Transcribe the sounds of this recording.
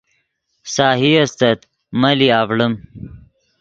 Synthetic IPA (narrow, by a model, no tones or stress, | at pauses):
saːɦiɐst̪ɐt̪ | mɐliaːvɽəm